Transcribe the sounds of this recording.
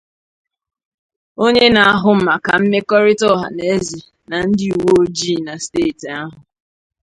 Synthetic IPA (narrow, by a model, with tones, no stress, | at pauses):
o˦ɲe˦na˨a˨ɦʊ˨m̩˦ma˨ka˨m̩˦me˦kɔ˦ɾɪ˦tɔ˦ɦa̰˨ne˨e˦zi˨ | na˨n̩˦dɪ˦u˨wo˦o˦d͡ʒi˦˨na˨ste˦˨ta˦ɦʊ˨